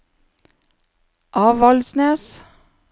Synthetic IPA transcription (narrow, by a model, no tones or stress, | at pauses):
ʔɑːʋɑlsneːs